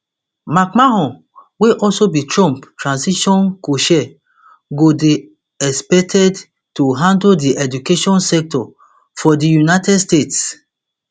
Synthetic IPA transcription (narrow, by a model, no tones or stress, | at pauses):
makmaɦɔ̃ | weʔɔlsobitɹɔ̃mptɹãnsiʃɔ̃nkoʃɛ | ɡode | ɛspɛk̚tʰɛd | tuɦãndodiʔɛd͡ʒukeʃɔ̃nsɛk̚tɔ | fɔdijunaɪtɛdstets